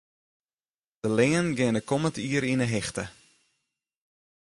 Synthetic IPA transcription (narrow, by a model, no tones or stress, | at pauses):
d̥əlɪːənɡɪnəkɔmətiəɾinəɦɪxtə